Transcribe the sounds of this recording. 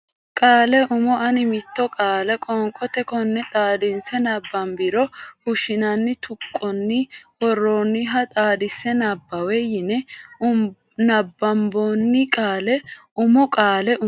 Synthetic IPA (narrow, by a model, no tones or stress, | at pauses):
kʼaːlɛʔʊmɔʔɐnɪmɪt̪ːɔkʼaːlɛkʼɔŋkʼɔt̪ɛkɔnːɛt̪ʼaːd̪ɪnsɛnɐbːɐmbɪɾɔhʊʃɪnɐnːɪt̪ʊkʼːɔnːɪɔrːoːnːɪɦɐt̪ʼaːd̪ɪsɛnɐbːɐwɛjɪnɛʊ | nɐbːɐmbonːɪkʼaːlɛʊmɔkʼaːlɛʔʊ